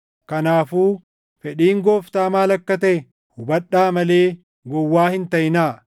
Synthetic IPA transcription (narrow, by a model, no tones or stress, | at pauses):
kɐnaːfuː | fɛᶑiːŋɡoːft̪aːmaːlɐkːɐt̪ɐɛ | hʊbɐᶑːaːmɐleː | ɡɔwːaːhɪnt̪ɐjɪnaː